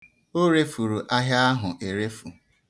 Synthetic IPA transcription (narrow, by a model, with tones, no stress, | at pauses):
o˦ɾe˦fu˨ɾu˨ʔa˦ɦja˦a˦ɦʊ˨ʔe˨ɾe˦fu˨